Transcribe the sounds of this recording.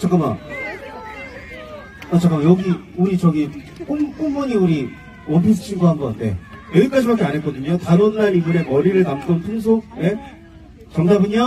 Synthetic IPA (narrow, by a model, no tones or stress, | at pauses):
t͡ɕ͈ʰak͈ama̰ | at͡ɕʰak͈amajʌɡi | uɾit͡ɕʌɡi | k͈umk͈uŋmʌɲiuɾi | wʌpʰis̬ʰɯ̥t͡ɕʰinɡoɦanɡʌande̞̰jʌɡik͈ad͡ʑibak͈eanɦek͈ʌdɯɲotanʌnːaɾimɯɾe̞mʌɾiɾɯɭnamt͈ʌnpʰuns̬ʰone̞ | t͡ɕʌŋdabɯɲa